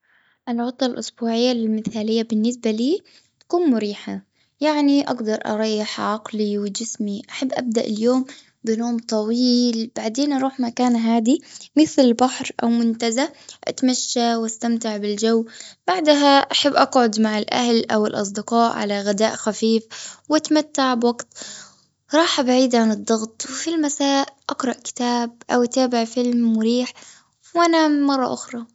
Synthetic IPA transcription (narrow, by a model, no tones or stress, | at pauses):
ʔɪlʕʊt̪ˤːɑlʔʊsbuːʕɪjːalɪlmɪθaːlɪjːabɪnːɪsbaliː | t̪ḁkuːnmʊɾiːħa | jaʕniʔa̰ɡd̪ɑɾˤʔɑ̰ɾˤɑjːɪħʕɑqliwɪd͡ʒɪsmiʔaħabːʔa̰b̚d̪aʔɪljoːm | bɪnoːmt̪ˤɑwiːlb̥aʕd̪eːnʔɑɾˤuːħmakaːnɦaːd̪imɪθlɪlbaħɾʔa̰wmʊnt̪azaʔa̰t̪maʃːawast̪amt̪ɪʕbɪld͡ʒawːb̥aʕd̪ɦaʔaħabːʔɑqʕʊd̪maʕɪlʔa̰hlʔawɪlʔɑ̰s̬ˤd̪ɪqɑːʔʕa̰laɣɪd̪aːʔxafiːfwat̪mat̪ːaʕbwaɡt̪ | ɾˤɑːħʔabaʕiːd̪ʕanɨd̪ˤːɑɣt̪ˤwɪfilmasaːʔʔɑqɾˤɑʔkɪ̥t̪aːb̚ʔa̰wʔat̪aːbɪʕfɪlmwʊɾiːħ | wʔanamɑrˤːɑ̰ʔʊxɾˤɑ